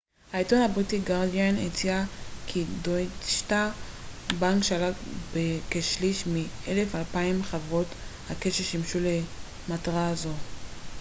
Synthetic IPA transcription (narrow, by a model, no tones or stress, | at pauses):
haitonhabʁitiɡaʁdianḛt͡siakʰidoʃta | baŋkʃalabekeʃliʃmielefalpaimχavʁo̞thakeʃeʃimʃule | mataʁazo̞